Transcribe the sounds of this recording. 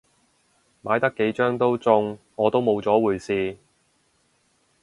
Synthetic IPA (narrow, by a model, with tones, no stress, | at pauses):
maː˨˧jt̪ɐ˥kːe˨˥jt͡ʃœː˥ŋt̪o˥wt͡sʊ˧ŋ | ɔː˨˧t̪o˥wmo˨˧wt͡sɔː˨˥wuː˨˩jsiː˧